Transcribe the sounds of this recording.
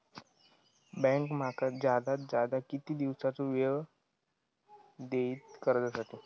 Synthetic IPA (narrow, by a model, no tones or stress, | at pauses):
bɛ̃ŋkm̤akad͡zjad̪at̪̚d͡zad̪akit̪iːd̪iʋsat͡soʋe | d̪eiːt̪kəɾd͡zasaʈiː